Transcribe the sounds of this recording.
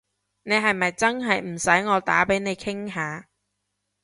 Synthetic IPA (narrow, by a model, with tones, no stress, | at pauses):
ne˨˧jɦɐ˨jmɐ˨jt͡sɐ˥nɦɐ˨jm̩˨˩sɐ˨˥jŋɔː˨˧t̪aː˨˥pe˨˥jne˨˧jkʰɪ˥ŋɦaː˨˧